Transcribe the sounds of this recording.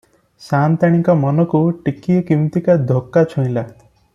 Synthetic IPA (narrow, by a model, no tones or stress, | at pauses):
sant̪aɽ̃ikɔmɔnɔkuʈikijɔkimt̪ikad̪ʱokːat͡ʃʰũj̃la